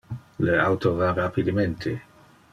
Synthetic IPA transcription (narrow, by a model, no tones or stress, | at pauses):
leawt̪ovarapid̪əment̪ʰe